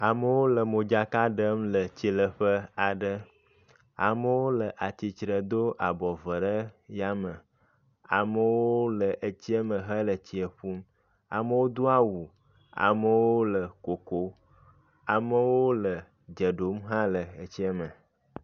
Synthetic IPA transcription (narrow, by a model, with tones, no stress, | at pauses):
a˨mə˦wo˦lə˨mo˨d͡ʒa˨ka˦ɖə˦mlə˨t͡ɕi˨lə˨ɸə˦a˨ɖə˦ | a̰˨mə˦wo˦lə˨ʔa˨t̪i˨t͡ʃɾə˨d̪o˦ʔa˨bɔ˨və˨ɖə˦ja˦mə˨ | a̰˨mə˨woo˦lə˨ʔə˦t͡ɕi˦ə˦mə˨ɦə˦lə˨t͡ɕi˨ə˨ɸu˦m | a̰˨mə˦wo˦d̪o˦a˦wu˨ | a̰˨mə˨wo˦lə˨ko˨ko˦ | a˨mə˦wo˦lə˨ | d͡ʒə˨ɖo˨˦mɦã˦lə˨ə˨t͡ɕi˦ə˦mə̃˨